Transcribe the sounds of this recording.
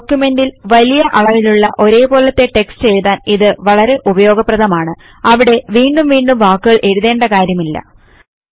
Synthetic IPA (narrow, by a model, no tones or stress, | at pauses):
okːjume̞ndilʋɐlijɐʔɐɭɐʋiluɭːɐʔo̞ɾe̞ːbo̞ːlɐt̪ːe̞ʈe̞kst͡ɕe̞jðaːniðɨʋɐɭɐɾe̞ʔubɐjo̞ːɡɐprɐðɐmaːɳɨ | ɐʋiɽe̞ʋiːɳɖumʋiːɳɖumʋaːkːuɣɐɭʔe̞ɽuðe̞ːɳɖɐkaːɾjɐmilːɐ̰